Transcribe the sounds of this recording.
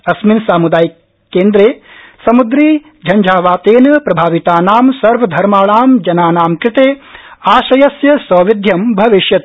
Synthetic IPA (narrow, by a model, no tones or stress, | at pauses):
ɐsminsaːmud̪aːjiː | eːnd̪ɾeːsɐmud̪ɾiː | d͡ʒʱɐɲd͡ʒʱaːʋaːt̪eːnɐpɾɐbʱaːʋit̪aːnaːmsɐɾʋɐd̪ʱɐɾmaːɭaːmd͡ʒɐnaːnaːmkɾɪt̪eːaːʃɐjɐsjɐsɐːʋid̪ʱjɐmbʱɐʋiʃjɐt̪